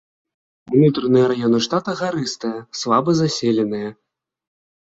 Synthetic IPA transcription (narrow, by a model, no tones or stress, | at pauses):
unut̪ɾɐnɨjɐɾajɔnɨʂt̪at̪ɐɣaɾɨst̪ɐjɐsvabɨzasʲɛlʲɛnɨjɐ